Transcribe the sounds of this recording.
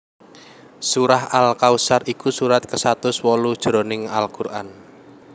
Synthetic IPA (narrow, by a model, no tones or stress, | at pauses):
suɾahalkausarikusuɾat̪̚kəsat̪ʊswɔlud̥ʒ̥ɾɔnɪŋa̰lkurʔan